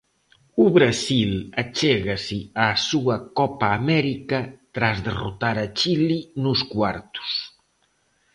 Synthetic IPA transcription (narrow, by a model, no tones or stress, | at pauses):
uβɾasilat͡ʃɛɣasɪaːsuɐkɔpaːmɛɾikɐt̪ɾazðerṵt̪aɾɐt͡ʃilinuskwaɾt̪u̥s